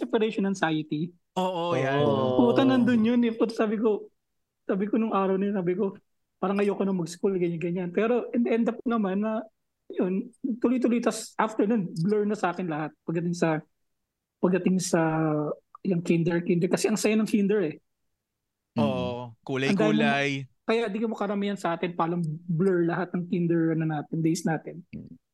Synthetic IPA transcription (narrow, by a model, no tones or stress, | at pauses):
sɛpɾɛjʃonɐŋsajɪt̪i | oːʔopuːt̪ɐnɐnd̪onjonɛpot̪saːbɪko̞ | saːbɪkonʊŋʔaːɾɐwnɐjnsaːbɪko̞ | paːɾɐŋʔɐjokonɐŋmɐɡskulɡɐɲɐɡɐɲanpɛːɾo̞ʔɛnd̪ʔɛnd̪ɐpʊnɐmanːɐ | jont̪ʊlojt̪ʊlojt̪ɐsʔaft̪ɛɹnʊnblɛɹnɐsɐʔaːkɛnlɐhat̪̚pɐɡd̪ɐt̪ɪŋsɐ | pɐɡ̚d̪ɐt̪ɪŋsɐ | jɐŋkind̪ɛɹkind̪ɛɹkɐsɛʔɐŋsɐjanɐŋkind̪ɛɹɛ | okuːlɐjɐnk̪auːlajkɐjaʔd̪iːkɐmokɐɾɐmijɐnsɐʔaːt̪ɪnpaːlɐŋblɛɹlɐɦat̪̚nɐŋkind̪ɛɹnɐnaːt̪ɪnd̪ejsnaːt̪ɪn